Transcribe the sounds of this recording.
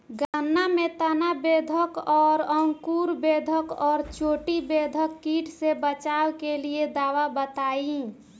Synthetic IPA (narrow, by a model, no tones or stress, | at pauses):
ɡanːamet̪ənabed̪ʱəkɔːɾəŋkuɾbed̪ʱəkɔːɾt͡ʃoʈibed̪ʱəkːiʈʰsebət͡ʃawkelied̪aːwabət̪ai